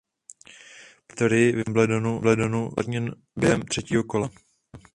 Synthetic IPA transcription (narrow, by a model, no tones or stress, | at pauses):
pt̪oɾɪjɪvɪmblɛdonublɛdonua̰dɲɛn | bjɛɦɛmt̪r̥ɛciːɦokola